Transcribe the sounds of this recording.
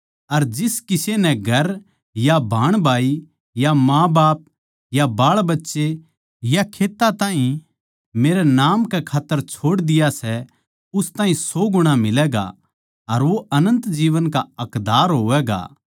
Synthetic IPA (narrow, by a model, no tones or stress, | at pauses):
ɐɾd͡ʒɪskɪsenɛ̃ɡʱɐɾ | jabʱaːɽ̃bʱaːi | jamãːbaːp̚ | jabaːɭbɐtːʃe | jakʰeːt̪ːat̪ãːɦĩ | meːɾɛnaːmkɛkʰaːt̪ːəɾt͡ʃʰoːɽd̪ɪjasɛ | ʊst̪ãːɦĩsoːɡʊɽ̃amɪlɛːɡa̰ | ɐɾʋoʔɐnə̃nt̪d͡ʒiːʋənkaɐkd̪aːɾɦoːʋɛːɡa̰ː